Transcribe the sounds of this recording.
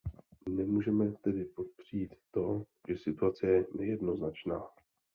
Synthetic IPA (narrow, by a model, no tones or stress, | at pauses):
nɛmuːʒɛmɛt̪ɛdɪpo̞t̪̚pr̝̥iiːt̪ːo̞ | ʒ̥ɛsɪt̪uat͡sɛjɛnɛjɛdno̞znat͡ʃnaː